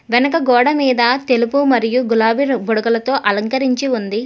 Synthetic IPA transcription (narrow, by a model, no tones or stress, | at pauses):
ʋɛnɐkɐɡɔːɽɐmiːd̪ɐt̪e̞lupumɐɾijuɡulaːbiɾbɔɽɐɡɐlɐt̪o̞ːʔɐlɐŋkɐɾiɲt͡ʃiund̪i